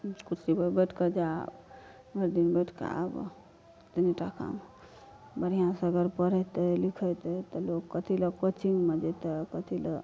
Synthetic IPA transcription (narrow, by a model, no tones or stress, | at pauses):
kut͡ʃibəbəʈʰkəd͡ʒab | məɾd̪inbəʈʰka̰b̰ | t̪niʈaka̰m | bəɾijãsəɡəɾpəɾɛt̪ɛlikʰət̪ɛt̪ɔlokkːət̪ʰiləkot͡ʃiŋɡmed͡ʒɛt̪əkət̪ʰilə̰